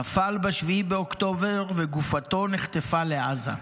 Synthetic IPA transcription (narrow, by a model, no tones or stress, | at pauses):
afalbaʃvibeokt̪o̞veʁveɡufat̪o̞neχt̪efaleaza̰